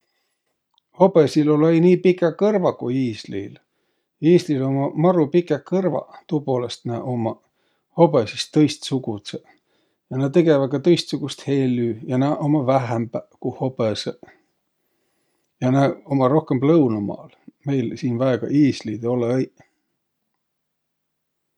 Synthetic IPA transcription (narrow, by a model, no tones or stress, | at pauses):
ho̞besilo̞lejniːpikːˑekɤrvɑkujiːslḭl | iːslilo̞mɑmɑɾupikːˑekɤrvɑ̰t̪uːpo̞ːlest̪næʔo̞mɑ | ho̞besist̪ːɤjst̪suɡ̥ut̪se | jɑnæt̪e̞ɡevɑd̪̚kɑt̪ɤjst̪suɡ̥ust̪he̞ːlyːjɑnæʔomɑvæɦæmbækuhobese | jɑnæo̞mɑɾo̞hkemblɤwnumɑ̰ːlme̞jlsiːnvæeɡ̥ɑ̰ʔiːslid̪eo̞leej